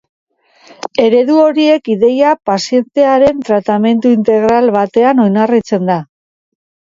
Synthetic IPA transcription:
e̞ɾe̞ðuo̞ɾie̞kiðe̞japasie̞nt̪e̞aɾe̞nt̪ɾat̪ame̞nt̪uint̪e̞ɣɾalβat̪e̞ano̞jnarit͡se̞nd̪a

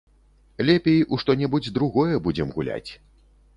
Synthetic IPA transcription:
lʲɛpʲejʔuʂt̪ɔnʲɛbud͡zʲd̪ɾuɣɔjɛbud͡zʲɛmɣulʲa̰t͡sʲ

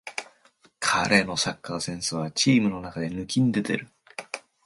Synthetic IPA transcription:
kʰa̰ɾʔe̞no̞sakːasẽ̞ɰ̃sɨβ̞at͡ɕiːmɯ̟no̞nakad̪e̞nɯ̟kʲĩnid̪e̞t̪e̞̰ɾɯ̟

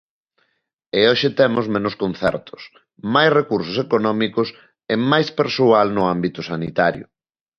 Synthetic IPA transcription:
eoʃɪt̪ɛmʊzmẽnʊskon̟θɛ̰ɾt̪ʊ̥s | majsrekuɾsʊsekonɔmikʊs | emajspeɾsualnʊambit̪ʊsanit̪aɾjʊ̰

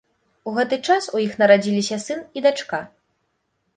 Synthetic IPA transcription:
uɣɛt̪ɨt͡ʂasujixnɐɾad͡zʲilʲisʲɐsɨnid̪at͡ʂka

